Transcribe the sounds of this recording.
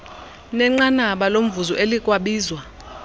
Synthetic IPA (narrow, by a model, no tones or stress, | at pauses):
nɛŋ͡ǃanaɓalom̩vuzɔʔelik̬ʼwaɓiːzwa